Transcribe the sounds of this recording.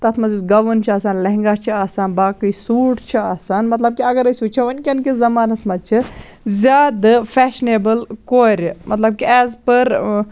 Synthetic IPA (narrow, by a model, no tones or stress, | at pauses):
t̪ɐt̪ʰmɐzuɡɐʋənt͡ʃʰiaːsaːnlɐɦŋɡat͡ʃʰiaːsaːnbaːkɨjsuːʈʰt͡ʃʰiaːsaːnmɐt̪lɐb̚kiɐɡɐɾɐsut͡ʃʰɐʋɐnkʲiɐnkizɐmaːnɐsmɐd̪t͡ʃʰi | zʲaːd̪ɨpʰɛːʃneːbəlkoːɾʲmɐt̪lɐb̚kiɛːzpɐɾ